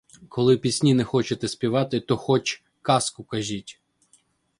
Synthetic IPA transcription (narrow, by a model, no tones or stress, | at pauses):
kʰɔlˠɪpʲisʲnʲinɛxɔt͡ʃet̪ɛsʲpʲiʋɑt̪ɪt̪ɔxɔt͡ʃʲ | kɑskʊkɐʒʲitʲ